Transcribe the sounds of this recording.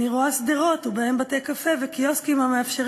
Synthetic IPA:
iʁoasd̪iʁo̞t̪ubaembat̪ekafevekioskimhameafʃeʁ

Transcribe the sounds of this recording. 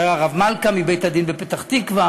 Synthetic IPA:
ʁaʁavmalkamibejt̪ad̪inbepet̪aχt̪ikva

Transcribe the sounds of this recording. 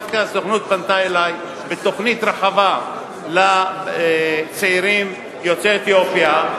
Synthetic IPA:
fkasoχnut̪̚bant̪aelaj | bet̪o̞χnit̪ɾaħava | la | t͡seiɾim | jot͡seet̪jopja

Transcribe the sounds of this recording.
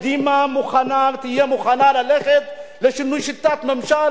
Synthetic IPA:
d̪imamuxanaɾt̪ijɐmuxanalɐlexet̪̚lɐʃinuʃit̪ːat̪mɐmʃa

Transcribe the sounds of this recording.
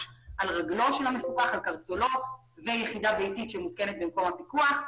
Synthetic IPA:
ʔalʁaɡlo̞ʃelamefubaχalkaʁsolo̞ | vejeχid̪avejtit̪ʃemut̪kenet̪̚bemko̞mapikuaχ

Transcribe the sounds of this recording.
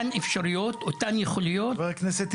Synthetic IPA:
anefʃaɾijot̪ʔot̪anjeχolijovaʁkneset̪

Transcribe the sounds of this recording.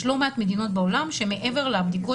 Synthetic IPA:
ʃlomat̪med̪ino̞t̪̚bao̞lamʃe̞me̞ʔe̞ve̞ʁlabd̪iko

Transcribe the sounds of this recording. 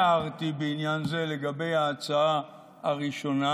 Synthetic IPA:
aʁtibeinjanze̞le̞ɡabe̞jaːt͡saa | aʁiʃo̞na

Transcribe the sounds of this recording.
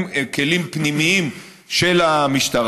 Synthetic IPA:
mke̞limpnimiim | ʃe̞lamiʃtaʁ

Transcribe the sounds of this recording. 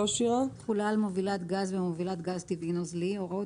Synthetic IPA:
oʃiʁaχulalmovilat̪ɡazvemovilat̪ɡazt̪ivinozlioʁo

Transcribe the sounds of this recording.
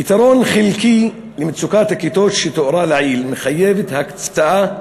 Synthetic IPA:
it̪aɾˤoːnxɪlki | lɪmɪt̪sukaːt̪hakːit̪oːʃit̪ʊʔɾˤɑːlaʕiːlmɪxajːevɪt̪hak̪st̪aʔa

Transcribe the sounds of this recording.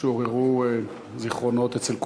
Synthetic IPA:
eoʁeʁu | ziχʁo̞no̞t̪et͡selk

